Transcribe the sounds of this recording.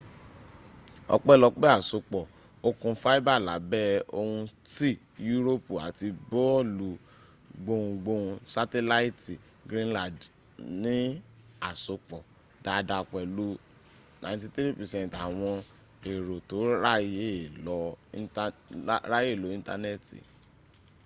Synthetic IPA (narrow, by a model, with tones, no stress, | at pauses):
ɔ̰˧k͡pɛ˦˨lɔ˨˧k͡pɛ˦a˦˨so˨˦k͡pɔ˨ | o˧kũ˧fa˦i˦ba˦˨la̰˨˦bɛ˦o˧hũ˧ti˦ | ju˦ɾo˦pu˨a̰˨ti˧bo˦lu˨ | ɡ͡bo˧ũ˧ɡ͡bo˧ũ˧sa˦tɛ˦la˦i˦ti˨ | ɡɾĩ˦nlã˦˨d | nĩ˦ | a˨so˨˦k͡pɔ˨ | da˧da˨˧˨k͡pɛ˨lu˦ | nã̰˨˦t̬i˧tɾi˦pɛ˨sɛ̃˦˨n˨ta˨w̃ɔ̃˧ | e˨ɾo˨to˨˦ɾa˦je˦˨lɔ˨˦ | ɾa˦je˦˨lo˨˦ĩ˦n˦ta̰˧ne˦˨tḭ˨